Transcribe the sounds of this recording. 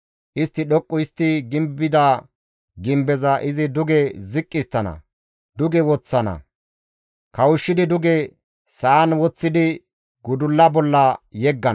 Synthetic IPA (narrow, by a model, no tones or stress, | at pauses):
ʔɪst̪ːɪɗɔkʼːʊɪst̪ːɪɡɪmbːɪd̪a | ɡɪmbɛzɐʔɪzɪd̪ʊɡɛzɪkʼːɪst̪ːɐnɐ̰ | d̪ʊɡɛwɔt͡sːɐnɐ̰ | kɐwʊʃːɪd̪ɪd̪ʊɡɛ | sɐːnwɔt͡sːɪd̪ɪ | ɡʊd̪ʊlːɐbɔlːɐjɛɡːɐn